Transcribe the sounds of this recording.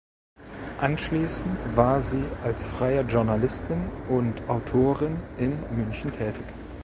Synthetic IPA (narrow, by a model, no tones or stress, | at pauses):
ʔanʃliːsn̩tvaːɐziːʔalsfʁ̥aɪəʒʊɐnalɪstʰɪnʔʊntʔaʊtʰoːʁɪnʔɪnmʏnçn̩tʰɛːtʰɪç